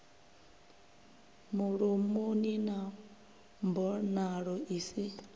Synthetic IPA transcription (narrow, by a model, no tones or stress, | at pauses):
muɺumunina | mbɔnaɺɔisi